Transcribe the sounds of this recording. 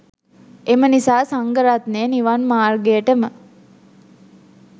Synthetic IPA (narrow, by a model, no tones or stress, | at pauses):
emənisaːsaŋɡəɾat̪neːniʋanmaːrɡejəʈəmə